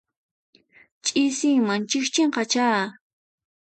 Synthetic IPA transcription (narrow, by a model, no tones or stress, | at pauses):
t͡ʃʼɪsimaŋt͡ʃɪxt͡ʃeɴqɑt͡ʃaː